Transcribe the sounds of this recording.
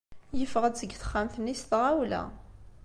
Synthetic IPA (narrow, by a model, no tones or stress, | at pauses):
jəfəʁət͡sːəɡːθə̥χːæmθnːist̪ʁawlæ̰